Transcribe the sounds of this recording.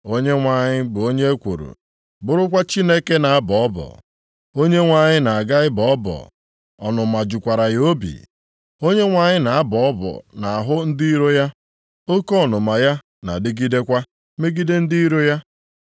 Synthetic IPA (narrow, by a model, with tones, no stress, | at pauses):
o˦ɲe˦ŋʷa˨ɲɪ˦bʊ˨o˦ɲe˦kʷo̰˨ɾṵ˨ | bʊ˨ɾʊ˦kʷa˦t͡ʃi˦ne˦ke˦na˨a˦bɔ˨ɔ˦bɔ̰˨ | o˦ɲe˦ŋʷa˨ɲɪ˦na˨a˨ɡa˦ɪ˦bɔ˨ɔ˦bɔ̰˨ | ɔ˨nʊ˨ma˨d͡ʒʊ˨kʷa˨ɾa˨jo˦bḭ˨ | o˦ɲe˦ŋʷa˨ɲɪ˦na˨a˦bɔ˨ɔ˦bɔ̰˨na˨a˨ɦʊ˦n̩˦di˦i˦ɾo˦ja˦ | o˦kɔ˦˨nʊ˨ma˨ja˦ | na̰˨dɪ˦ɡi˦de˦kʷa˦ | me˦ɡi˦de˦n̩˦di˦i˦ɾo˦ja˦